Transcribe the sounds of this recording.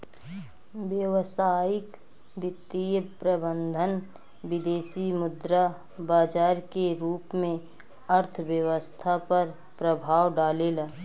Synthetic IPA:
ʋjəʋsaːɪk | bɪt̪ːijəpɾəbənd̪ʱən | bɪd̪eːsimʊd̪ɾa | baːd͡ʒaːɾkeɾuːpmẽ | əɾt̪ʰʋjəwəst̪ʰapəɾ | pɾəbʱaːwɖaːlelaː

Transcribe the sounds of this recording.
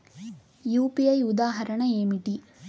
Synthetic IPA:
juːpiɐjud̪aːɦɐɾɐɳɐeːmiʈi

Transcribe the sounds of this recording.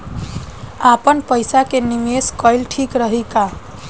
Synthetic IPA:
apənpəjsakenimeskəɪlʈʰikɾəɦika

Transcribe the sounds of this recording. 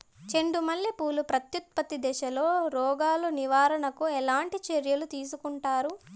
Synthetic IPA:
t͡ʃe̞ɳɖumɐlːipuːlupɾɐt̪jut̪̚pɐt̪id̪ɛʃɐlo̞ːɾɔːɡaːluniʋaːɾɐɳɐkuɛlaːɳʈit͡ʃeɾjɐlut̪iːs̬ukuɳʈaːɾu

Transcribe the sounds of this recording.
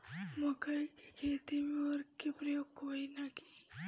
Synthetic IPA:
mokajkikʰeːt̪imeəɾkepɾɐjoːɡ̚koːinaki̥

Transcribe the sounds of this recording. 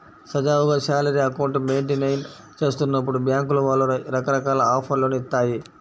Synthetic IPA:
sɐd͡ʒaːuɡaʃaːlɐɾiɐkɐwɳʈmeːɳʈinɐjn | t͡ʃe̞ːst̪unːɐp̬ːuɽubjaːŋkuluʋaːlːuɾɐkɐɾɐkaːlɐaːpʰɐɾloːnit̪ːaːji

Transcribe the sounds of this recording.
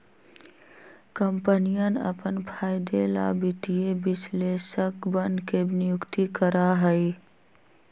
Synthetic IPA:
kəmpənijənə̰pənpʰaːɪd̪ela̰ːbɪt̪ijebɪsleːʃəkbənkebnɪjʊkt̪ikəɾaɦəi

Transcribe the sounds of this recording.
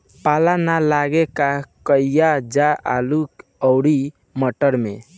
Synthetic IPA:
palanalaɡekakəijad͡ʒaalukəʊɽi | məʈəɾme

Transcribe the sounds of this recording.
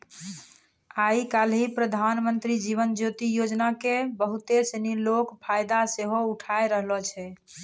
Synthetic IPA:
aikalɦipɾəd̪ʱanmənt̪ɾid͡ʒiβənd͡ʒot̪ijod͡ʒnakebəɦut̪esənilokpʰajd̪aseɦouʈʰaeɾəɦlɔt͡ʃʰɛ

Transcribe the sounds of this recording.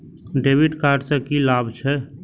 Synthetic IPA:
ɖeːbiʈkaːɖsəkilabt͡ʃʰɛ

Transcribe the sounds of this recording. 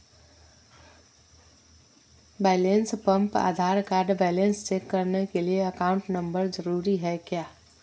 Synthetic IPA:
bɛjlenspəmpa̰d̪ʱaɾkaɾɖbɛlenst͡ʃekːəɾnekelieəkauɳʈnəmbəɾd͡ʒəɾuɾiɦəekja

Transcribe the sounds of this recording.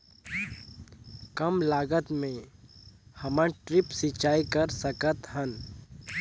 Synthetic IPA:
kɐmlaːɡət̪mẽ | hɐmə̃ʈɾɪpsɪt͡ʃaːikəɾsəkət̪ɦən

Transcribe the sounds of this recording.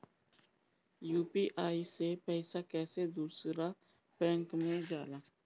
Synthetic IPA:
juːpiʔaːisepɛːɪsakɛːsed̪uːsɾa | pɛ̃ːŋkmẽd͡ʒaːlaː

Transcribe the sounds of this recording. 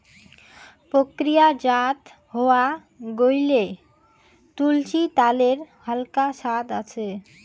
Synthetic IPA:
pɾokɾijad͡ʑat̪ | ɦɔwa | ɡojle | t̪ult͡ɕit̪aleɾhalkaʃat̪at͡ɕʰe

